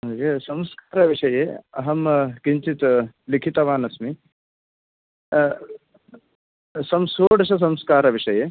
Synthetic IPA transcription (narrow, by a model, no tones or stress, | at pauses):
ɦoːkesɐmskaːɾɐʋiʂɐjeːɐɦɐmkiɲt͡ʃit̪likʰit̪ɐʋaːnɐsmi | sɐmsoːɖɐʃɐs̬ɐmskaːɾɐʋiʂɐjeː